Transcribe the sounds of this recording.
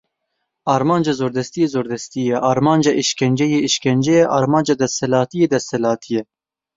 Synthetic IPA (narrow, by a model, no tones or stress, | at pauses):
ɑːɾmɑːnd͡ʒɑːzoːɾd̪ɛst̪ijeːzoːɾd̪ɛst̪ijɛʔɑːɾmɑːnd͡ʒɑːʔiʃkɛnd͡ʒɛjeːiʃkʲɛnd͡ʒɛjɛʔɑːɾmɑːnd͡ʒɑːd̪ɛst̪ɛlɑːt̪ijeːd̪ɛshɛlɑːt̪ʰijɛ